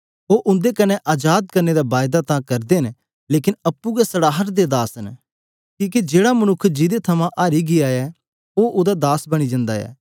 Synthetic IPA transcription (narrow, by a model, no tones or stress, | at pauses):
oʔʊ̃nd̪ekɐnɛʔaːd͡ʒaːd̪̚kɐɾned̪abaːjd̪at̪ãkɐɾd̪en | leːkɪnɐpːuɡɛsɐɽaːɦəɾd̪ed̪aːsn | kĩːk̬ed͡ʒeːɽamɐnʊkʰːd͡ʒɪd̪et̪ʰɐmãʔaːɾiɡɪjaɛ | oʔʊd̪ad̪aːsbɐɽ̃id͡ʒɐ̃nd̪a̰ɛ̰ː